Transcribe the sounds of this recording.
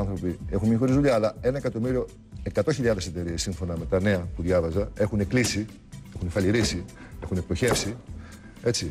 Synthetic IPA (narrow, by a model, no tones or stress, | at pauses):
ɐnθɾo̞pie̞xunemiɐxo̞ɾizðuʎɐːlɐe̞nɐekɐt̪o̞miɾio̞ | e̞kɐt̪o̞çiʎɐðe̞se̞t̪e̞ɾiesːiɱfo̞nɐme̞t̪ɐne̞ɐpuðʝɐvɐzɐe̞xune̞klisi | e̞xunefɐʎiɾisie̞xunep̚t̪o̞çe̞fsi | e̞t͡si